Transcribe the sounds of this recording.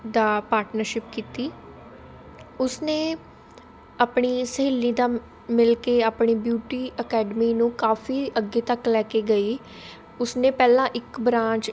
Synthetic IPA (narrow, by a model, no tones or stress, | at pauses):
d̪aːpaːɾʈnəɾʃɪpkiːt̪iː | ʊsneː | aːpɳiːsəɦiːlːĩːd̪aː | mɪlkeːaːpɳiːbjuːʈiːəkɛːɖəmiːnũːkaːfʰiːəɡːeːt̪əklɛːkeːɡəiː | ʊsnẽːpɛːlãːʔɪkbɾãːt͡ʃ